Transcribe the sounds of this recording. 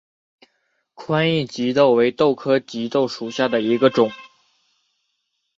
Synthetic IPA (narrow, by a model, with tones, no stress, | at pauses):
kʰwa˥ni˥˩t͡ɕi˧˥t̪o˥˩ʊwe˧˥ɪt̪o˥˩ʊkʰɤ˥t͡ɕi˧˥t̪o˥˩ʊʂu˨˩ɕja˥˩d̪ə˩i˧˥ɡə˧ʈ͡ʂʊ˨˩˦ŋ